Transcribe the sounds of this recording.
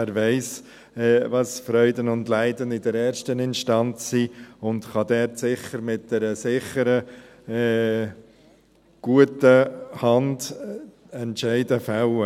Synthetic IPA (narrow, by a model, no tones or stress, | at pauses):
æɾʋɛɪs | ɛʋɑsfɾœʏdənʊndlæɪdənɪdəɾɛːɾʃtənɪnʃtɑnt͡sːiʊndχɑd̪ɛɾtsɪχəɾmɪt̚d̥ɛɾəsɪχəɾəɛ | ɡ̥uətəhɑnd | ɛntʃɛɪdəfaæʊə